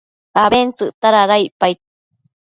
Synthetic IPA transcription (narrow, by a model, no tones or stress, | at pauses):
aβent͡sɨʔt̪aɾaɾaiʔpajt̪̚